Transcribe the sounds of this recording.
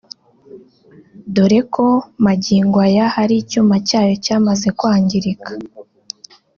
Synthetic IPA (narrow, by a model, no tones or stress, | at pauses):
duɾe̞kʰo̞maɟiːŋɡwajahaɾicuːmacaːjo̞caːmaze̞kwaːɲɟiɾikḁ